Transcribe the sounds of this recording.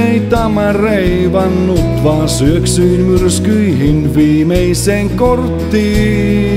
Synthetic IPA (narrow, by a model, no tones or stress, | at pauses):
eit̪ɑmɑreiʋɑnːut̪ʋɑːsyøksyinmyrskyiɦinʋiːmeiseːŋkort̪ːiː